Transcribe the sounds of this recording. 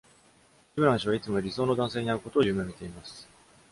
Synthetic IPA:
ibɯ̟ɾãɰ̃ɕiβ̞ait͡sɨmo̞ɾʲiso̞ːno̞d̪ãɰ̃se̞ːɲ̟iaɾɯ̟ko̞t̪o̞ːjɯːmẽ̞mʲit̪e̞imasɨ̥

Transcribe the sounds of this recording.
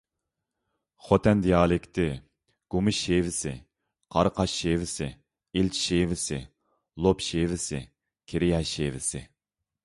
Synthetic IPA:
χot̪ʰɛnd̪ijɑːlˠɪkʲt̪ʰɪ | ɡ̥umɪʃːeːvɪsɪ̰ | qʰɑɾqʰɑʃːeːvɪsɪ | ilt͡ʃʰʃevɪsɪ̰ | lˠopʃeːvɪsɪ | kʲʰeɾɪjɑʃeːvɪsɪ

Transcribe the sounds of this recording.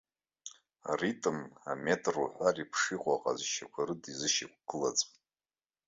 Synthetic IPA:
a̰ritʼɨmametʼruħʷaripʰʂiqʼaqʼa̰zʃakʷʰaɾɨdizɨʃik̚ʷʰɡ̥ɨlat͡sʼ

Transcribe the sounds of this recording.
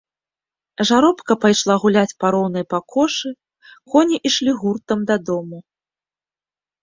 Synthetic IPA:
ʐaɾɔpkɐpajʂlˠaɣulʲat͡sʲpaɾɔwn̪ɐjpakʰɔʂɨ | kɔnʲiʔiʂlʲiɣurt̪ɐmd̪ɐd̪ɔmu

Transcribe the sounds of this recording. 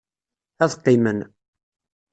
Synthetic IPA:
æθqːimən

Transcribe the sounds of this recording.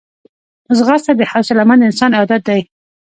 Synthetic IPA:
zɣɑst̪ab̪ehawsɪlamand̪ɪɪnsɑnɪɑd̪at̪̚d̪aj

